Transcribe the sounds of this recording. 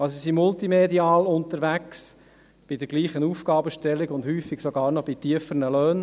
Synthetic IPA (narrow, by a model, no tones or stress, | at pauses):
ɑsisimʊltimediɑːlʊnt̪əɾʋæks | b̥ɪd̪əɾɡliːχənuːfɡ̥ɑːbəʃtɛlːɪɡʊnd̪hyːfːɪɡ̥soɡɑːɾnɔb̥it̪iəfəɾnəløːn